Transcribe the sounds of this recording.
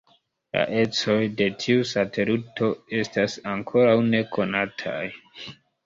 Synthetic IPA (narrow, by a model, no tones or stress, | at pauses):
la̰ʔe̞t͡so̞jde̞tʰiusatʰe̞ɾuto̞e̞stasaŋkʰo̞ɾawne̞kʰo̞natʰa̰j